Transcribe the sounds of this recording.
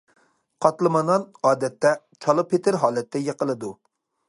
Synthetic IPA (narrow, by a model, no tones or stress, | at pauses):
qʰɑt̪lˠɨmɑnɑnɑːd̪ɛt̪ːɛ | t͡ʃʰɑlˠɨpʰet̪ʰɪɾɦɑːlˠɛt̪ʰːɛjeqəlˠɨd̪u